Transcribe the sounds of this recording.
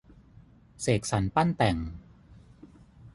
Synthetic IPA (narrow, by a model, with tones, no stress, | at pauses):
seː˨˩k̚sa˩˦npa˥˩nt̪ɛ˨˩ŋ